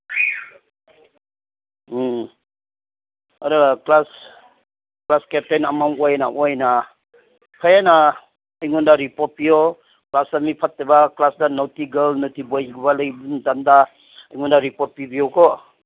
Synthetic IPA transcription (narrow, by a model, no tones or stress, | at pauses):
aɾaklas | klaskep̚tenamaŋɔjna̰ʔɔjna | pʰajana | əjŋundaɾipɔt̚pijɔ | klasamipʰatːebaklasdanowtiɡəlnotibojɡubalajbundanda | əjŋɔndaɾipɔt̚pibijɔkɔ